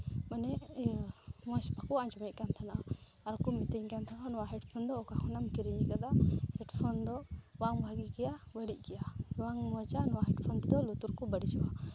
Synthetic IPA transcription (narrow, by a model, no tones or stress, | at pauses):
manɛ | mɔ̃spakuaɲd͡ʒɔmɛc̚kant̪ʰanaʔa | aɾkɔmit̪eŋkant̪ʰananɔwaɦɛʈpʰɔnd̪ɔːkakʰɔnamkiɾiɲikad̪ahɛʈpʰɔnd̪ɔwaŋbʱaɡikɛjabəɽic̚ˀkɛjawaŋmɔt͡ʃanɔwaɦɛʈpʰɔnt̪ɛd̪ɔlut̪uɾkɔbəɽit͡ʃwa